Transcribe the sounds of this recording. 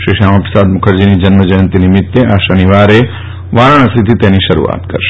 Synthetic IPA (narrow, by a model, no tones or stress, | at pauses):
ʃɾiʃamapɾəsad̪mʊkʰəɾd͡ʒinid͡ʒənməd͡ʒəjə̃nt̪inimɪt̪ːeʔaʃəniʋaɾe | ʋaɾəɽ̃st̪ʰit̪ʰit̪eniʃəɾṵa̰t̪kə̰ɾʃe̥